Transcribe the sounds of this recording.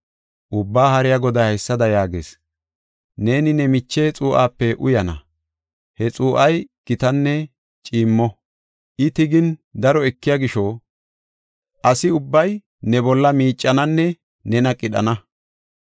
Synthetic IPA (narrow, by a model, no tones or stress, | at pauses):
ʔʊbːaːhɐɾɪjaɡɔd̪ɐɐjsːɐd̪ɐjaːɡḛːs | ne̞ːnɪnɛmɪt͡ʃːeːt͡sʼuːʔaːpːɛʔʊ̰jɐnɐ̰ | hɛt͡sʼuːʔɐjkɪt̪ɐnːɛ | t͡ʃʼiːmːɔ | ʔɪt̪ɪɡɪnd̪ɐɾɔɛkːɪjaɡɪʃɔ | ʔɐsɪʊbːɐj | nɛbɔlːɐmiːt͡ʃʼːɐnɐnːɛ | nɛnɐkʼɪɗɐ̰nɐ